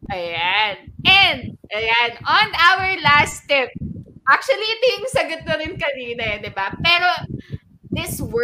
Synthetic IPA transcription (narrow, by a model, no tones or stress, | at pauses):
ʔɐjanʔɛnd̪̚ʔɐjanʔɔnawəɹlast̪ɪp̚ʔak̚t͡ʃuɐliɪt̪ojʊŋsɐɡʊt̪̚nɐɾɪnkɐniːnɐjɐd̪ɪbapɛːɾo | d̪ɪsw